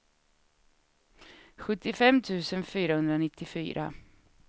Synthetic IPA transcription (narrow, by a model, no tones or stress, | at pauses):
ɧɵt̪ːɪfɛmt̪ʰʉ̟ːsənfyːɾahɵnd̪ɾanɪt̪ːɪfy̰ːɾʔa̰